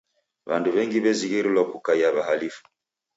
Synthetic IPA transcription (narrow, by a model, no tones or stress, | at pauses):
βanduβɛŋɡiβɛziɣiɾilwakukajaβahalifu̥